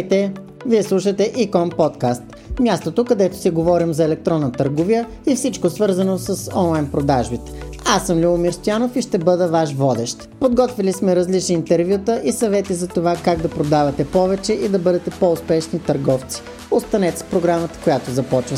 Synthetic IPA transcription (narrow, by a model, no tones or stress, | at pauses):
t̪ɛ | viɛslˠuʃət̪ɛʔikɔnpɔt̪kast̪ | mʲjast̪ot̪okɐd̪ɛt̪o̥siɡovɔɾimzɐɛlɛk̚t̪ɾɔnːət̪əɾɡovijə | ifsit͡ʃkosvɤɾzənosəsɔnlˠajnpɾod̪aʒbit̪ɛ̥ | asːəmlʲuʊmiɾst̪ojanofiʃt̪ɛbɤd̪əvaʃvɔd̪ɛʃt̪pod̪ɡɔt̪vilismɛɾɐzlit͡ʃniːnt̪ɛɾvʲjut̪əʔisɐvɛt̪izɐt̪ovakaɡd̪ɐpɾod̪avɐt̪ɛpɔvɛt͡ʃɛʔid̪ɐbɤd̪ɛt̪ɛpoʊspɛʃnit̪ɐɾɡɔft̪si̥ | ot̪st̪ɐnɛt̪spɾoɡɾamət̪ə̥kojat̪ozɐpɔt͡ʃvə